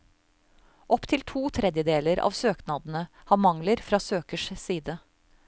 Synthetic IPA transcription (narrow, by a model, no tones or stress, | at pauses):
ʔɔpt̪ʰɪlt̪ʰuːt̪ʰɾɛd̪jəd̪eːləɾɑ̰ːʋsøːknɑːd̪n̩ə | hɑːmɑŋləɾfɾɑːsøːkəʂsiːd̪ə